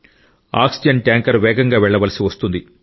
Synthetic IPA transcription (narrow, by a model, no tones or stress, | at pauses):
a̰ːksid͡ʒɐɳʈjaːŋkɐɾʋɛːɡɐŋɡaːʋɛɭːɐʋɐlɐsiʋɐst̪und̪i